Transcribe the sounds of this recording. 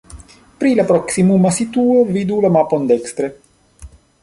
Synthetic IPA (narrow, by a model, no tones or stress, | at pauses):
pɾilapɾɔksimumasit̪uovid̪ulamapond̪ɛkst̪ɾe